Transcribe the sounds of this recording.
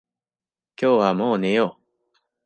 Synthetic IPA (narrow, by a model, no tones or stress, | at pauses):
kʲo̞ːβamo̞ːnejo